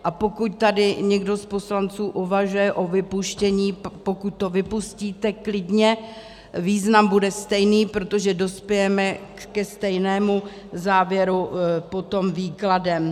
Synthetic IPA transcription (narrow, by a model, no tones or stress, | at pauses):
ʔapo̞kuc̪t̪adɪɲɛɡdo̞spo̞slant͡suːʔuvaʒujɛʔo̞vɪpuʃcɛɲiːpo̞kut̪̚ːo̞vɪpusciːt̪ɛklɪdɲɛ | viːznambudɛst̪ɛjniːpɾot̪o̞ʒɛdo̞spjɛjɛmɛ | kɛst̪ɛjnɛːmu | zaːvjɛɾupo̞t̪o̞mviːkladɛm